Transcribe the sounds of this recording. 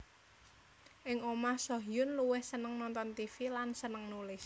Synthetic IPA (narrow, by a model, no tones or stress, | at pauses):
ʔɪŋomahsoɦjʊnluwɪhsənəŋnɔnt̪ɔnt̪ifilansənəŋnulɪs